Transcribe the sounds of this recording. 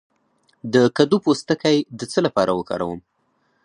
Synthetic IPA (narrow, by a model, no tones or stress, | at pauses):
d̪əkad̪upost̪əkajd̪ət͡səlapɑɾawəkɑ̰ɾa̰wəm